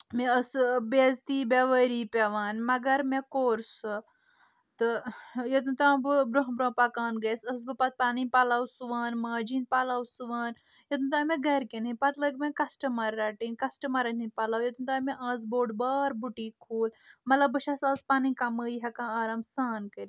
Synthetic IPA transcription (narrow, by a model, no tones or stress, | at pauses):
meɐsbeːzt̪iːbeʋəɾiːpʲeʋaːnmɐɡɐɾmekoːɾsɨ | t̪ɨjɐt̪unt̪ãːbɨbɾoɦbɾõːpɐkaːnɡɐjsɐsbɨpɐt̪̚paːnipɐlawsuʋaːnmaːd͡ʒinpaːlawsuʋaːn | jɐt̪unt̪aːmẽɡɐɾkenipɐt̪lɐɡmẽkɐsʈɐmɐɾːɐʈiːnkɐsʈɐmɐɾɐninpɐlaːwjɐt̪unt̪aːmeʔaːzboːɖbaːɾbuʈiːkʰoːlmɐt̪lɐbːɨʃɐsɐspaːnikɐməːjɦɐkãːaːɾɐmsaːnkəɾi